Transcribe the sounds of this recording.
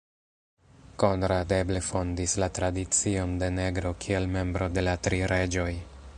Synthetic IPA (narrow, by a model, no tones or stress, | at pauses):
ko̞nɾade̞blefo̞ndislatɾadit͡sio̞nde̞ne̞ɡɾo̞kʰie̞lme̞mbɾo̞de̞latɾiɾe̞d͡ʒo̞j